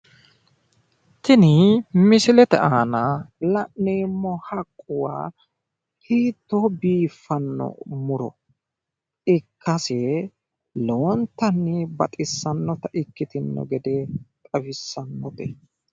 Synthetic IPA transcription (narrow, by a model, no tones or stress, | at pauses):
t̪ɪnɪmɪsɪlɛt̪ɛaːnɐlɐʔneːmːɔhɐkʼːʊwa̰ː | hiːt̪ːobiːfːɐnːɔ̰mʊɾɔ̰ | ɪkːɐsɛ | lɛwɔnt̪ːɐnːɪbɐt̪ʼɪsːɐnːɔt̪ɐʔɪkːɪt̪ɪnːɔ̰ɡɛd̪ɛt̪ʼɐfɪsːɐnːɔt̪ɛ